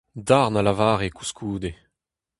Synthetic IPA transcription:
d̪aʁnalavaːʁeku̥skʰuːd̪e

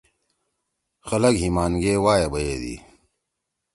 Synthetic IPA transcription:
xɐlɐɡɦimaːnɡeːwaːjɐbɐjeːd̪ḭː

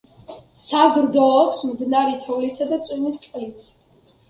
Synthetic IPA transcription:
sazɾd̪ɔːpsmd̪naɾit̪ʰɔvlit̪ʰad̪at̪sʼmist̪sʼqʼlit̪ʰ

